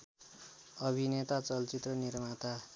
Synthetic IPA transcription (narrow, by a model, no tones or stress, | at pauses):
ʌbʱinet̪at͡sʌlt͡sit̪rʌnirmat̪a